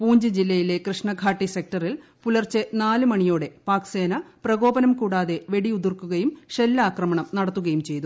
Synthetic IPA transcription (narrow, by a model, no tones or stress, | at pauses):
puːɲd͡ʑɐd͡ʑilːɐjile̞krɨʂɳɐɡʱaːʈːisek̚ʈɐrilpulɐrt͡ɕenaːlɨmɐɳijoːɽe̞paːkse̞ːnɐprɐɣo̞ːbɐnɐmkuːɽaːðe̞ʋe̞ɽiud̪urkːuɣɐjumɕelːɐaːkrɐmɐɳɐmnɐɽɐt̪ːuɣɐjumt͡ɕe̞jt̪u